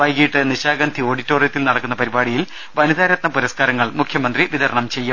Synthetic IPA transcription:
ʋɐjkiʈːɨniɕaːɡɐnd̪ʰʱio̞ːɽitːoːrijɐt̪ːilnɐɽɐkːunːɐpɐɾibaːɽijil | ʋɐnud̪aːɾɐt̪nɐpuɾɐskaːɾɐŋːɐɭmukʰjɐmɐnd̪riʋid̪ɐɾɐɳɐmt͡ɕe̞jːu

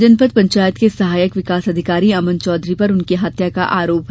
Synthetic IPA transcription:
d͡ʒənpət̪̚pɐ̃ɲt͡ʃaːjət̪kesɐɦaːjəkʋɪkaːsɐd̪ʱɪkaːɾiɐmə̃nt͡ʃɔːd̪ʱɾipɐɾʊnkeɦɐt̪jakaʔaːɾoːpɦ

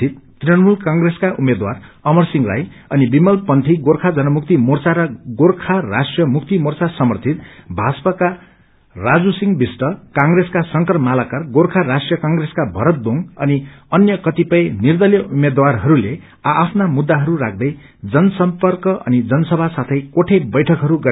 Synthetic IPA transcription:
it̪ːrenmulkaŋɡreskaʔumed̪war | ʌmʌrsiŋra̰j | ʌnibimʌlpʌnt̪ʰiɡorkʰad͡zʌnʌmuk̚t̪imort͡saɾʌɡorkʰarasʈjʌmuk̚t̪imort͡sasʌmʌrt̪ʰit̪bʱat͡spaka | rad͡zusiŋbisʈʌkãŋɡreskasʌŋkʌrmalakarɡorkʰarasʈrjʌkaŋɡɾeskabʱʌɾʌt̪̚d̪oŋʌniʌnjʌkʌt̪ipʌjnird̪ʌljʌʔumed̪warɦʌɾule | aʔːpʰnamud̪ːaɦʌɾurak̚ʰd̪ʌj | d͡zʌnʌsʌmpʌrkʌʔʌ̰nid͡zʌnʌsʌbʱasat̪ʰʌjkoʈʰebʌjʈʰʌkɦʌɾuɡʌ

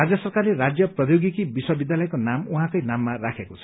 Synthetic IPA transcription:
ɾad͡zjɔsɔɾkaɾleɾad͡zjɔpɾɔjoɡikibiswɔbid̪jalɔjkonamuɦãkɔjnamːaɾakʰekut͡sʰɔ̥

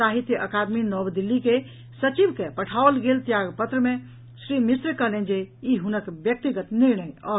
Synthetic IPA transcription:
aɦit̪jəʔəkad̪minɔbd̪ilːike | sət͡ʃibkepəʈʰaolɡelt̪jaɡpət̪ɾəmẽ | sɾimisɾkəɦlend͡ʒeiɦunəkbjək̚t̪iɡət̪niɾnəjɔ

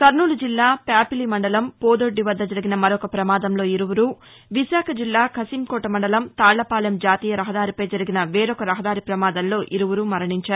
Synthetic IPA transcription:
kɐɾɳuːlud͡ʒilːaːpjaːpilimɐɳɖɐlɐmpoːd̪oɖːiʋɐd̪ːɐd͡ʒɐɾiɡinɐmɐɾɔkɐpɾɐmaːd̪ɐmlo̞ːiɾuʋuɾuː | ʋisaːkʰɐd͡ʒilːaːkʰɐsiːmkɔːʈɐmɐɳɖɐlɐmt̪aːɭːɐpaːlɐmd͡ʒaːt̪iːjɐɾɐɦɐd̪aːɾipɐjd͡ʒɐɾiɡinɐʋeːɾɔkɐɾɐɦɐd̪aːɾipɾɐmaːd̪ɐnlo̞ːʔiɾuʋuɾuːmɐɾɐɳiɲt͡ʃaːɾu

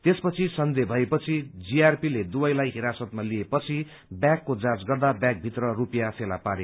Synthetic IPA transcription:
t̪espʌt͡sʰisʌnd̪ebʱʌepʌt͡sʰid͡ziarpiled̪ubʌjlajɦiɾasʌt̪̚maliepʌt͡sʰi | bjakːod͡zad͡zɡʌrd̪abjak̚bʱit̪rʌrupijapʰela̰paɾe

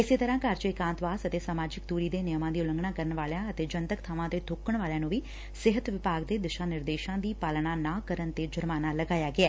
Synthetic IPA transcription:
ɪseːt̪əɾãːkaːɾt͡ʃəikãːnt̪ʋaːsət̪eːsaːmaːd͡ʒɪkd̪uːɾiːd̪eːnɪjəmãːd̪iːʊlə̃ŋɡɳãːkəɾəɳʋaːljãːət̪eːd͡ʒə̃nt̪əkt̪ʰaːʋãt̪eːd̪ʱʊkəɳʋaːljãːnũːʋiː | sɪɦət̪ʋɪpaːɡd̪eːd̪ɪʃãːnɪɾd̪eːʃãːd̪iːpaːlnaːnaːkəɾənt̪ed͡ʒəɾmaːnaləɡaːjaːɡɪɛː

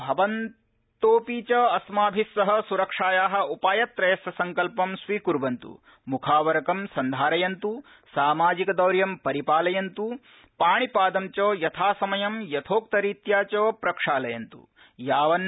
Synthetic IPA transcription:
bʱɐʋɐn | t̪oːpiːt͡ʃɐɐsmaːbʱisːɐɦɐ̆suɾɐkʂaːjaːɦɐ̆upaːjɐt̪ːɾɐjɐsɐsɐŋkɐlpɐmsʋiːkuɾbɐnt̪ṵ | mukʰaːʋɐɾɐkɐmsɐnd̪ʱaːɾɐjɐnt̪u | saːmaːd͡ʒikɐd̪ɐwɾjɐmpɐɾipaːlɐjɐnt̪u | paːɳipaːd̪ɐmt͡ʃoːjɐt̪ʰaːsɐmɐjɐmjɐt̪ʰoːk̚t̪ɐɾiːt̪jaːt͡ʃoːpɾɐkʂaːlɐjɐnt̪ṵ | jaːʋɐn

